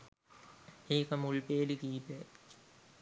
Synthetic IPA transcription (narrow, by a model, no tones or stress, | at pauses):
eːkɐmuɭpeːlikiːpe